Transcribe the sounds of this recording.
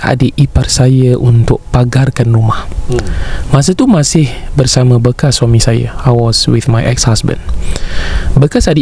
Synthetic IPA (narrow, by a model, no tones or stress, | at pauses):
a̰dəʔiparsajəʔunt̪ʊk̚paɡarkanrumah | mãsət̪umasɪh | bərsamə̃bəkaswamisajə̰ajwɔswḭθmajʔɛ̰k̚shasbə̰̃n | bəkasadə